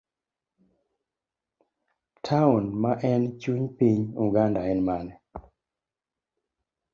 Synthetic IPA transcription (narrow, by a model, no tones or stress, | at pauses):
tʰaunmaʔɛnt͡ʃuɲpiɲuɡandaɛnmanɛ